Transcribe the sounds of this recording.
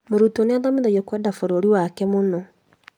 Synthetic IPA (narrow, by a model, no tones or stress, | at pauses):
moɾutoneaðameðajɔkwɛdafoɾoɾiwakɛmonɔ